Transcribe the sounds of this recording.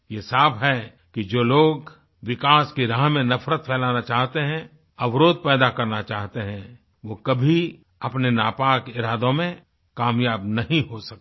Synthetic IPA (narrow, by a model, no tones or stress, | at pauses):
jesaːfɦɛ | kid͡ʒoːloːɡ | ʋɪkaːskiɾaːɦmẽnɐfɾət̪̚pʰɛːlaːnat͡ʃaːɦt̪eɦɛ̃ | ɐʋɾoːd̪̚pɛːd̪akɐɾnat͡ʃaːɦt̪eɦɛ̃ | ʋoːkɐbʱi | ɐpnenaːpaːkɪɾaːd̪õmẽ | kaːmjaːbnɐɦĩɦosɐk̚